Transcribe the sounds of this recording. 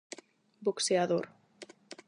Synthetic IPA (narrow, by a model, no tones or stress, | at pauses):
bokseaðoɾ